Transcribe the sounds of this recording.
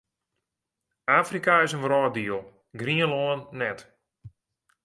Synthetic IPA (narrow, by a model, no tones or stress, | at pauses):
aːfrikaɪsənrɔːdiəlˠ | ɡriənloːənːɛt